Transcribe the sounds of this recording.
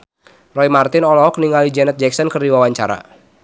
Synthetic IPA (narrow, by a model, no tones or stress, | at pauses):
rɔimart̪ɪnɔlɔɔk̚niŋalid͡ʒɛnɛt̪̚d͡ʒɛk̚sɔnkərdiwawaɲt͡ʃaɾa̰